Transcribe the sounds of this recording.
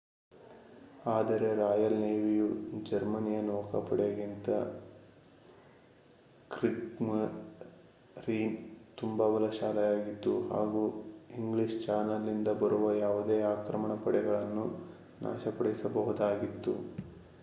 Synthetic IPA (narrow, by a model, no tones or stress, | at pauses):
aːd̪ɐɾe̞ɾaːjɐlneːʋijud͡ʒɐɾmɐnijɐnɔːkɐpɐɽeɡint̪ɐ̰ | kɾikm | ɾiːnt̪umbɐbɐlɐʃaːlɐjaːɡit̪ːuha̰ːɡuːiŋɡliʂt͡ʃaːnɐlːind̪ɐbɐɾuʋɐjaːʋud̪eːaːkɾɐmɐɳɐpɐɽɛɡɐɭɐnːu | na̰ːʃɐpɐɽisɐbɐɦud̪aːɡit̪ːṵ